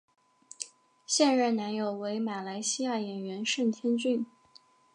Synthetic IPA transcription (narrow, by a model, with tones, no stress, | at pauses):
ɕjɛ˥˧nɻə˥˩nna˧˥njo˨˩ʊwe˧˥ɪma˨˩la˧˥ɪɕi˥ja˥˩jɛ˨˩nɥɛ˧˥nʂə˥˩nt̪ʰjɛ˥nt͡ɕy˥˩n